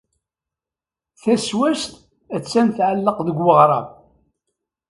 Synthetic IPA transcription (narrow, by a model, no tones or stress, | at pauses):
θæswæst̪ | æt͡sːænθʕalːəqðəɡwəʁɾˤɑ̰v